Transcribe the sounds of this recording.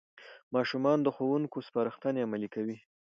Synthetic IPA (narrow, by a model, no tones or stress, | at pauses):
mɑʃumɑnd̪əxowuŋkospɑɾəxt̪aneamalikawi